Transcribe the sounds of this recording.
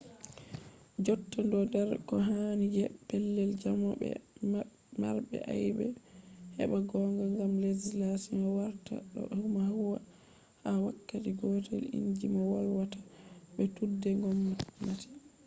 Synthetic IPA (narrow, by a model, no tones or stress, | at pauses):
d͡ʒɔtːandɔndɛɾkɔɦanid͡ʒɛpɛlːɛld͡ʒamɔbɛ̰ | ma̰ɾbɛ̰ʔajbɛ̰hɛ̰ɓaɡɔŋɡaŋɡamlezilasimawaɾta̰ɗɔ̰ʔhumahuwa̰ | hawakːatiɡɔːtʰɛ̰lḭɲd͡ʒimawalwatḁɓɛtudːɛŋɡɔmːamati̥